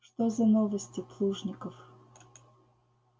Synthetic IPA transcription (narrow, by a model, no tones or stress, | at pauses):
ʂt̪ozɐnovəsʲtʲɪplˠuʐnʲɪkəf